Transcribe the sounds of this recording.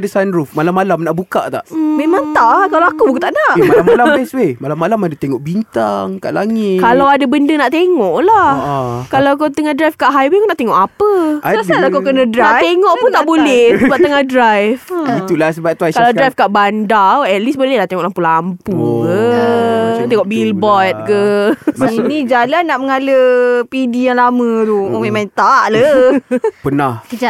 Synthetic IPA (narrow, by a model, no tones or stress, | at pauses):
dəsanɾufmalamːalamnaʔbuka̰ʔt̪a̰ʔmemãŋt̪aʔkalawakubukut̪aʔnaʔmalamalaɛswemalamːalamadat̪eŋɔʔbint̪aŋka̰ʔlaŋɪt̪kalawadabəndənaʔt̪eŋɔʔlakalak̬at̪əŋahdɾajfkaʔɦajwepunaʔt̪eŋɔʔapəsəasadakakənadɾanaʔt̪eŋɔʔpunt̪aʔbolɛhsbap̚t̪əŋahdɾajfiulasəbat̪uakalawdɾajfkaʔbandawɛt̪̚lisbolɛhnaʔt̪eŋɔʔlampulampukə | t̪eŋɔʔbilbɔt̪̚kəsainid͡ʒalanːaʔməŋaləpidijaŋlamə̃ɾumemãŋt̪aʔlə | pənahkəd͡ʒa